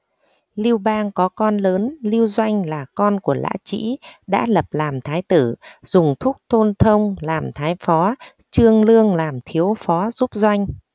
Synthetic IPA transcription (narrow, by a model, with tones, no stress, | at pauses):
li˧əwɓaː˧ŋkɔ˨˦kɔ˧nləː˨˦nli˧əwzwa˧jŋ̟laː˨˩kɔ˧nku˧˩əla̰ː˧˥t͡ɕḭ˧˥ɗa̰ː˧˥lə˨˩p̚laː˨˩mt̪ʰaː˨˦jt̪ɨ˧˩z̥ʊ˨˩ŋ͡mt̪ʰʊ˦˥k͡p̚t̪ʰo˧nt̪ʰə˧wŋ͡mlaː˨˩mt̪ʰaː˨˦jfɔ˨˦ | t͡ɕɨ˧əŋlɨ˧əŋlaː˨˩mt̪ʰi˨˦əwfɔ˨˦zu˦˥p̚zwa˧jŋ̟